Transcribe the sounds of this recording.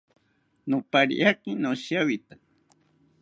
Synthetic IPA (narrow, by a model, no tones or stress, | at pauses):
nopaɾḭʔakinoʃjawit̪a